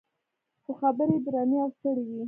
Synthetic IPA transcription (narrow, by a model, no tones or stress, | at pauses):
xoxabəɾed̪ɾaneawst̪əɽeɡi